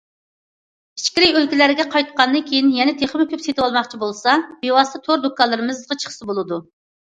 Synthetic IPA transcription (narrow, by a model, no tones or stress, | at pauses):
pʰi̥t͡ʃkʲiɾɪjølkʲilæɾɪɡʲɛqʰɑjt̪qɑnd̪ɨnkʲʰejinjɛnɛt̪ʰeχmɪkʲʰøpset̪ɪwɑlˠmɑχt͡ʃʰibolˠsɑbewɑst̪ʰɑt̪ʰoɾd̪okʰɑlˠːɨɾɨmɨzʁɑt͡ʃʰə̥χsɨbolˠɨd̪u